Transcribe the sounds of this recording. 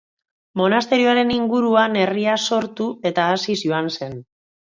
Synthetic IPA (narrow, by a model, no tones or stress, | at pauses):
mo̞nast̪e̞ɾioaɾe̞niŋɡuɾuane̞riaso̞ɾt̪ue̞t̪aːsisjoanse̞n